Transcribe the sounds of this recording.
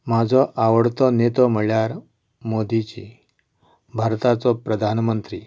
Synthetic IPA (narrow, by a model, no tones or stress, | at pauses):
m̤ad͡zʱɔʔaʋəɽt̪ɔnet̪ɔm̤əɭjaɾ | mod̪it͡ɕḭ | bʱaɾt̪at͡sɔpɾəd̪ʱanmənt̪ɾiː